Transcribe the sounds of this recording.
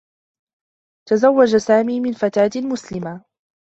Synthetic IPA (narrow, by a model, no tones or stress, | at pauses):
t̪azawːad͡ʒasaːmiːmɪnfat̪aːt̪mʊslɪma